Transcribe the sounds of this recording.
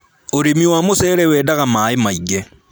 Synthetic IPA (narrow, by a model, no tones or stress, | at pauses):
oɾemiwamosɛɾɛwɛːdaɣamaemaiɡe